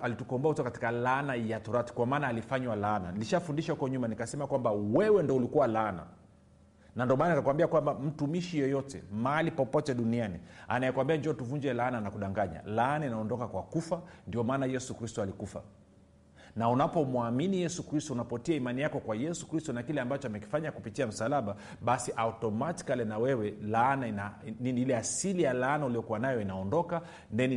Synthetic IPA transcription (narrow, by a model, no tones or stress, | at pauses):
alitukɔmbɔahutɔkati̥kalanajatɔɾati̥kwamaːnaːlifaɲwalaːna̰niliʃafundiʃahukɔɲumanikasɛmakwambawɛwɛndɔulikuwalana̰ | nandiɔmaːnanikakwambiakwambam̩tumiʃijɔjɔtɛ̰maalipɔpɔtɛɗuniania̰najɛkwambiaɲd͡ʒɔtuvuɲd͡ʒɛlaːnanakuɗaŋɡaɲa̰laːnainaɔndɔkakwakufandiɔmaːnajɛsukɾistɔalikufa̰ | naunapɔmwaminijɛsukɾistɔunapɔtiaimanijakɔkwajɛsu̥kɾistɔnakilɛambat͡ʃɔamɛki̥faɲakupitiam̩salaɓa | ɓasiʔautɔmati̥kalɛnawɛwɛlaanainaniniilɛasilijalaanauliɔkuwanajɔinaɔndɔka | ndɛni